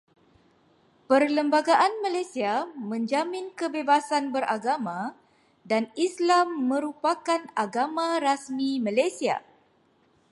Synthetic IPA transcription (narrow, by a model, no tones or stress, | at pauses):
pərləmbaɡaʔanmãlajsiamə̃ɲd͡ʒamĩnkəbebasanbəɾʔaɡamã | danislamːə̃ɾupakanaɡamãɾasmĩmãlajsia̰